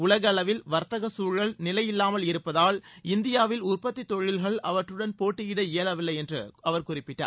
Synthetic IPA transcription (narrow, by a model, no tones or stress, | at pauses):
ʊɭɐɣɐɭɐʋɪlʋɐɾt̪ɐɣɐsuːɻɣɐɭnɪlɐjɪlːaːmɐlɪɾɯpːɐðaːlɪnd̪ɪjaːʋɪlʊrpɐt̪ːit̪ɔɻɪlɣɐɭɐʋɐʈrɯɽɐnpoːʈːɪjɪɽɐeːlɐʋɪlːɐɪɛndrɯɐʋɐɾkʊrɪpːɪʈːa̰ː